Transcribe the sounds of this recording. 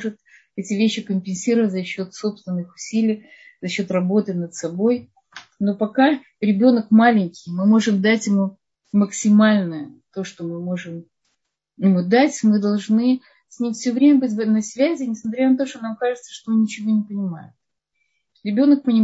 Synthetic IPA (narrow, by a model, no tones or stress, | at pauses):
ʐɨt̪ | ɛtʲɪvʲeɕːɪkəmʲpʲɪnʲsʲiɾəvətʲzɐɕːo̞t̪so̞pst̪vʲɪnːɨxʊ̥sʲilʲɪj | zɐɕːo̞t̪rɐbo̞t̪ɨnət̪sɐbo̞j | no̞pɐka | ɾʲɪbʲo̞nəkmalʲɪnʲkʲɪjmɨmo̞ʐɨmd̪atʲjɪmu | məksʲɪmalʲnəət̪o̞ʂt̪o̞mɨmo̞ʐɨm | jɪmud̪atʲmɨd̪ɐlˠʐnɨ | sʲnʲimʲfsʲovɾʲemʲəbɨtʲvnɐsʲvʲæzʲɪnʲɪsmɐt̪ɾʲanət̪o̞ʂt̪o̞namkaʐɨt̪sə̥ʂt̪onnʲɪt͡ɕɪvo̞nʲɪpənʲɪma̰jʊt̪̚ | ɾʲɪbʲo̞nək̚pənʲɪ